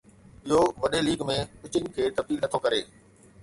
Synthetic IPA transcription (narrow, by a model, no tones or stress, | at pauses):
ɪɦoʋɐɗeliːɡmẽkʊt͡ɕɪnɪ̆kʰeːt̪ɐb̪iːlnɐt̪ʰokɐɾḛː